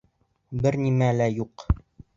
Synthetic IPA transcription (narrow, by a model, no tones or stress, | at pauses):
bɘɾnimælæjuq